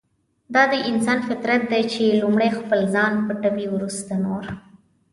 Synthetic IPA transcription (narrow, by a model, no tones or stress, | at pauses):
d̪ɑd̪əʔɪns̬ɑnfɪt̪ɾat̪̚d̪ajt͡ʃelumɽexpəlzɑnpəʈəbiwɾust̪anoɾ